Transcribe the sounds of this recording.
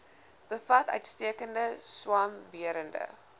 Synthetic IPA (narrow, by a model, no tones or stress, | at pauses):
b̥əfɐtœ̰ɥtstiəkəndəswɑmviəɾəndə̰